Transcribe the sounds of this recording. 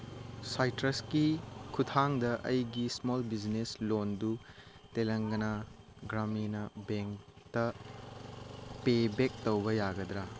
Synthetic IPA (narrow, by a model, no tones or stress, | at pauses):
sajtɾɐskikʰutʰaŋdɐʔɐjɡismolbid͡ʒneslondu | telɐŋɡɐnɐ | ɡɾaminɐbeŋk | tɐ | pebek̚towbɐjaɡɐdɾa